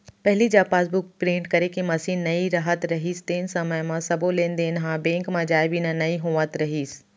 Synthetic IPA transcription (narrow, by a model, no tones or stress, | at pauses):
pɐɦɪlid͡ʑaːfaːs̬bʊk̚pɾẽːɳʈkɐɾekimɐsĩːnnɐiɾaɦət̪ɾɐɦiːst̪ɐːɪn̆sɐməjmãsɐbʱolẽːnd̪eɪnɦãbẽːŋkmãd͡ʑaːɪʋiːnənɐiɦũːʋət̪ɾɐɦiːs